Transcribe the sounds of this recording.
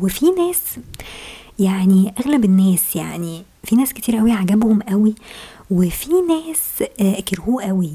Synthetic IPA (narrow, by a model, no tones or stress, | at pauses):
wefinæːs | jaʕniʔæɣlæbenːæːsjaʕni | finæːsket̪ʰiːɾʔæwiʕaɡæbhomʔæwiwefinæːskeɾhuːʔæwi